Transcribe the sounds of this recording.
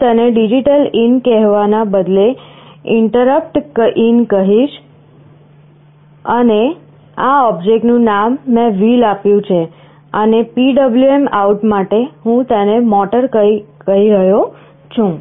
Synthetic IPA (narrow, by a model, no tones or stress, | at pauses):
t̪əneɖid͡ʒiʈəlinkɛɦʋanabəd̪leɪɳʈəɾəp̚ʈkinkəɦiʃ | əne | aɔbd͡ʒek̚ʈnũnamːɛ̃ʋilapjũt͡ʃʰe | ənepiɖəbljuemauʈmaʈeɦũt̪ənemɔʈəɾkəikəɦiɾəɦjo | t͡ʃʰũ